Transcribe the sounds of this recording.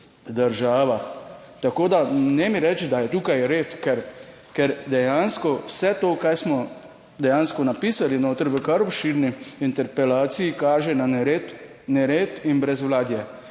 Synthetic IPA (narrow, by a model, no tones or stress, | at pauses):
d̪əɾʒaːʋa | t̪akoːd̪anɛmiɾɛt͡ʃd̪ajɛt̪uːkajɾeːt̪kɛɾ | kɛɾd̪ɛjaːnskɔwsɛt̪oːkajsmɔ | d̪ɛjaːnskɔnapiːsalinoːt̪əɾʋəkaɾɔpʃiɾniint̪ɛɾpɛlaːt̪sijikaːʒɛnanɛɾet̪ | nɛɾeːt̪inbɾɛzʋlaːd̪jɛ